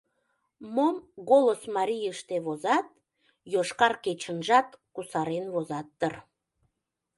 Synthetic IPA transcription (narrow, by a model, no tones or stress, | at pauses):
momɣolosmɑɾʲijəʃt̪eβozɑt̪̚ | joʃkɑrket͡ɕənʒɑt̪kusɑɾenβozɑt̪ːər